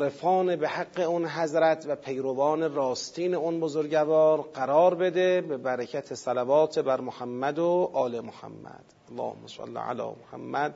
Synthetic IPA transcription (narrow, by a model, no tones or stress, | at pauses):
ɾefɒːnebehaɡːe̞unɦæzɾæt̪ʰvæpʰejɾovɒːne̞ɾɒːst̪ʰiːneunbozoɾɟævɒːɾɢæɾɒːɾbe̞d̪e̞bebæɾecʰæt̪ʰesælævɒːt̪ʰebæɾmohæmːæd̪oʔɒːlemohæ̰mːæ̰d̪̥ælːɒ̰ːho̰mːasa̰lːɪ̰ʕa̰lɒ̰ːmoha̰mːæd̪